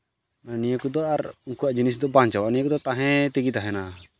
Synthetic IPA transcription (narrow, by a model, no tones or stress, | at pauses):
nanijəkud̪ɔʔaɾuŋkuaʔd͡ʒinis̬d̪ɔbaɲt͡ʃawaʔnijəkud̪ɔt̪aɦɛ̃t̪iɡit̪aɦɛna